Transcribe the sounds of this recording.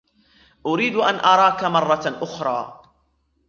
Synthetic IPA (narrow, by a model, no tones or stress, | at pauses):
ʔʊɾiːd̪ʔanʔɑɾˤɑːkamɑrˤːɑʔʊxɾˤɑ̰ː